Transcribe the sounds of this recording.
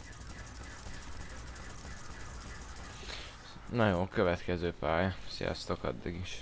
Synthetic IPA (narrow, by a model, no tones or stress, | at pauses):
nɒjoːkøvɛt̪kɛzøːpaːjsḭjɒ̰st̪okɒ̰d̪ːiɡiʃ